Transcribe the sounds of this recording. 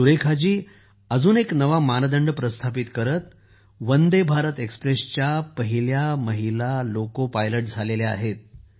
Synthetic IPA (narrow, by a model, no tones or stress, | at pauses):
uɾekʰad͡ʑiː | əd͡zuːneknəʋamanəd̪əɳɖpɾəst̪ʰapit̪kəɾət̪ | ʋənd̪ebʱaɾət̪ekspɾest͡ɕjapəɦiljaməɦilalokopajləʈ̚d͡zʱalelea̰ɦet̪̚